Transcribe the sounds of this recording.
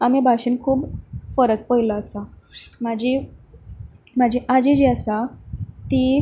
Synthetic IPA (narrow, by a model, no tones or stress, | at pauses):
amibʱaɕiːnkʰuːbfəɾət̪̚pəjlaːsamad͡ʑi | mad͡ʑʱiʔad͡ʑid͡ʑiasat̪i